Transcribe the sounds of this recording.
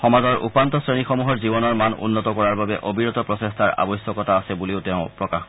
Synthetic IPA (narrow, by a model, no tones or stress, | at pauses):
xɔmazɔɹʔṵpant̪ɔsɹenixɔmuɦɔɹzibɔnɔɹmanṵnːɔtɔkɔɹaɹbabɛʔobʱiɹɔt̪ɔpɹɔsestʰaɹa̰bɔjsjɔkɔtaːsɛbuliʊtɛʊ̃pɹɔkax